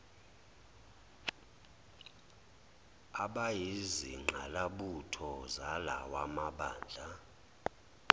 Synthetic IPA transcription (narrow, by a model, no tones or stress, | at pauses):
aɓajiziŋ͡ǃʱalaɓutʰɔzalawamaɓaːnd͡ɮʱa